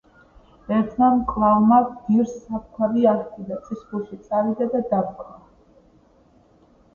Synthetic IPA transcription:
ɛɾt̪ʰmankʼlˠavmad̪iɾsap̚kʰaɾiaht̪ʰid̪at̪sʼiskuʃit̪sʼaɾid̪ad̪ad̪apkʰʼa

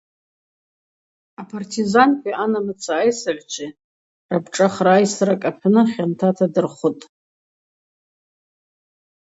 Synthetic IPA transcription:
apʰartʰizankʷʼianamɨt͡sʰaːjsaʕʲʷt͡ʃʷʰi | rabʈ͡ʂʼaχraːjsɾakʼapʰnɨχʲantʰatʰadɨrχʷʊtʼ

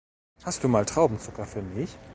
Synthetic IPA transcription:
hastd̥uːmaːltʁ̥aʊbm̩t͡sʊkɐfyːɐmɪç

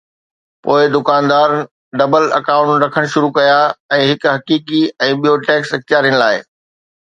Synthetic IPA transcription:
poːɪd̪ʊkaːnd̪aːɾ | ɖɐbəlɐ̰kaːʊ̃ɳʈɾɐkʰəɽ̃ʃʊɾukɐjaɛ̃ːɦɪkɦɐkiːkiɛ̃ːɓijoːʈeːksɐk̚t̪ijaːɾiəɽ̃la̰ːɪ̰

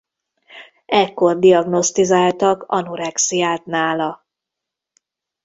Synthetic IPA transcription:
ɛkːo̞rd̪ijɒɡno̞st̪izaːlt̪ɒkɒ̰nuɾɛksijaːt̪naːlɒ

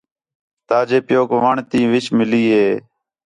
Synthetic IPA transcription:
t̪aːd͡ʒeːpjoːkʋaɳt̪ĩːʋɪt͡ʃmɪliːɦeː

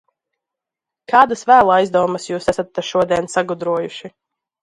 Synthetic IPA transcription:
kaːd̪asvæːlˠaajzd̪ɔːwməsjuːsæsat̪ːaʃuɔd̪iɛnsaɡud̪ɾuɔjuʃi

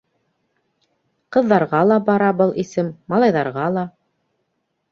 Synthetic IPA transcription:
qɤ̆ðːɑɾʁɑlˠɑbɑɾɑbɤlˠʔisɘmmːɑlˠɑjðɑɾʁɑlˠɑ

